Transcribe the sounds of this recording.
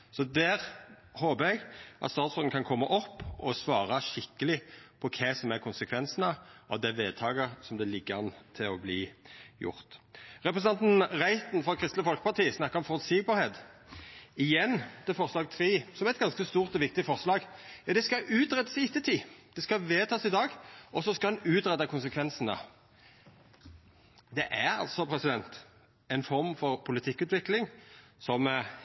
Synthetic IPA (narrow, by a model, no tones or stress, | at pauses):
sɔd̪æːʁ | hoːbəɛɡʔɑ̰t̪st̪ɑːt̪sfɔd̪n̩kʰɑnkʰɔmːɑʔɔpːɔsʋɑːɾɑʃɪkːəlɪpʰɔkʰɛsɔmæɾkʰʊnsəkʰʋɛnsənɑʔɑ̰ʋd̪ɛʋeːd̪̚t̪ʰɑːɡəsɔmd̪ɛlɪɡːəʁɑnt̪ʰɪlɔbliːjʊ̰ɾt̪ʁɛpɾəsnɑnt̪n̩ʁæɪt̪n̩fʁɔd̪kʰɾɪst̪ləfɔlkə̥pɑʁt̪iːəsnɑkːʁɔmfɔlsiːɡ̚bɑɾheːt̪ | ɪjɛnːd̪̥ɛfɔʁslɑːɡ̚t̪ʰʁiːsɔmɛt̪ɡɑnskəst̪uːʁt̪ɔʋɪk̚t̪ɪfɔʁslɑːɡjɑd̪ɛskɑʔʉːt̪ʁɛt̪ːəsɪt̪ːət̪ʰiːd̪̥ɛskɑʋeːt̪ʰɑːsɪd̪ɑːɡʔɔsɔskɑɑnʉːt̪ʁɛd̪ɑkʰʊnsəkʰʋɛnsənə̰ | d̪ɛʔæʁɑ̰lsɔpʰɾɛsɪd̪ɛnt̪ | ɛɪnfɔʁmfɔʁpʰʊlɪt̪ʰɪkːʉːt̪ʋɪklɪŋsɔm